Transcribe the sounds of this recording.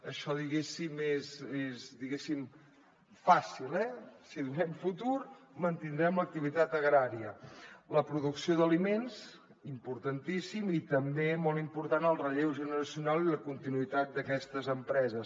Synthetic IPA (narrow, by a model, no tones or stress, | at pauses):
əʃɔðiɣesimezezd̪iɣesim | fasilɛsiðunɛmfut̪uɾ | mənt̪ind̪ɾɛmlək̚t̪iβit̪at̪əɣɾaɾiələpɾuðuksioðəlimenz | impuɾt̪ənt̪isimit̪əmbemolˠimpuɾt̪anəlˠrəʎewʒənəɾəsiunalˠiləkunt̪inuit̪at̪̚d̪əkɛst̪əzəmpɾɛzəs